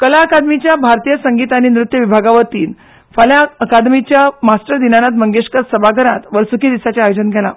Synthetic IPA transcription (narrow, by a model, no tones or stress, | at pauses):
kəlaəkad̪mit͡ɕjabʱaɾt̪ijəsəŋɡit̪añinɾut̪ːjəʋibʱaɡaʋəɾt̪iːn | fəljaəkad̪mit͡ɕjamasʈəɾd̪inanat̪̬məŋɡeʂkəɾsəbʱaɡʱəɾat̪ʋəɾsukid̪isat͡ɕjaːjod͡ʑənɡʱɛla̰